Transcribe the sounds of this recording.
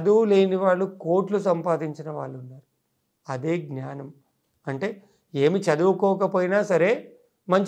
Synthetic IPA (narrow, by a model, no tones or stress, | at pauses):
ɐd̪uʋleːniʋaːɭːuko̞ːʈlusɐmpaːd̪iɲt͡ʃinɐʋaːɭːunːaːɾu | ɐd̪eːɡnjaːnɐm | ɐɳʈe̞ː | e̞ːmit͡ʃɐd̪uʋukɔːkɐpoːjinaːsɐɾe̞ː | mɐɲt͡ʃ